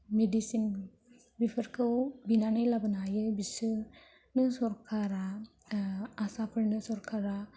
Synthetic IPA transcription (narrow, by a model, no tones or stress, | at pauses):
medisin | bipʰɯɾkʰɯwbinanajlabɯnajɯbisɯ | nɯsɔɾkʰaɾa | asapʰɯɾnɯsɔɾkʰaɾa